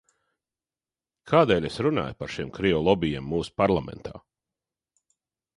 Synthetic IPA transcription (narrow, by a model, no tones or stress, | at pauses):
kʰaːd̪ɛːlʲesɾuna̰ːjpaɾʃimkɾiɔlˠɔbʲijamːuːsu̥paɾlˠamɛ̰nt̪ʰa̰ː